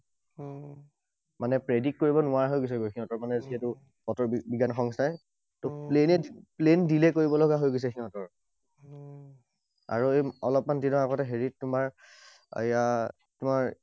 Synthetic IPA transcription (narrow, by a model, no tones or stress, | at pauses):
manɛpɹedik̚koɹibɔnʊaɹɦojɡos̬ɛɡojkʰiɔtɔɹmanɛziɦetʊ | pɔtɔɹbiɡanxɔŋstaj | tʊplenɛiplendilɛkoɹibɔlɔɡaɦojɡos̬ɛkʰiɔtɔɹ | a̰ɹuejɔ̰lɔp̚mandinɔaɡɔtɛɦeɹittʊmaɹ̰ | ja | tʊmaɹ